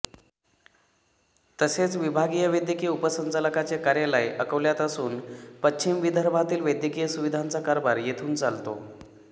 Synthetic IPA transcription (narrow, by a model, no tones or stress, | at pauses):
t̪əset͡sʋibʱaɡijəʋəjd̪jəkijəupəsənt͡saləkat͡ɕekaɾjalajʔəkəʋljat̪əsuːnpət͡ɕːɕimʋid̪ʱəɾbʱat̪iːlʋəjd̪jəkijəsuʋid̪ʱant͡sakaɾbaɾjet̪ʰuːnt͡salt̪o̰